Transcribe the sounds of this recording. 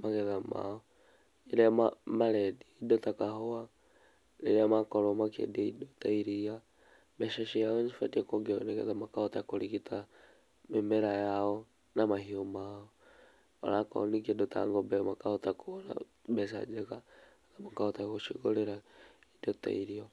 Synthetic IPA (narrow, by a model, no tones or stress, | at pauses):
maɣɛðama̰ɔ | iɾamamaɾɛdiːdɔtakaɦɔa | leɾamakɔɾɔmakḛdaidɔtaiɾia | bɛʃɛʃijaɔɲifatiɛkɔɡiɔnɛkɛ̰ðamakahɔtakoɾikitʰa | memɛɾajaɔ | namahiomaɔ | ɔ̰ɾakɔ̰ɔnik̬iɛdɔta̰ŋɡɔbɛmakahɔtakona̰ | bɛsa̰d͡ʒɛka | namakaɔtakoʃiɣoɾeɾaidɔta̰iɾiɔ